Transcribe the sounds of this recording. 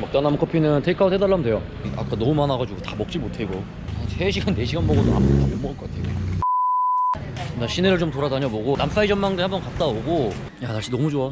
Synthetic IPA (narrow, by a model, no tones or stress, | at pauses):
mʌk̚t͈anamkʰʌpʰinɯntʰeikʰaotʰedaɭːamɯndwe̞jʌ | a̰k͈anʌmumanaɡad͡ʑuɡotamʌk̚t͡ɕ͈imotʰe̞ɡo | aseɕʰiɡanːe̞ɕʰiɡanboɡotoɦa̰mbtamomʌɭkʌk͈atʰejo | ndaɕʰineɾɯɭt͡ɕomtoɾadaɲʌboɡonams͈ʰaid͡ʑʌmmaŋdɯhambʌnkat̚t͈aoɡo | janaɭɕ͈inʌmud͡ʑoa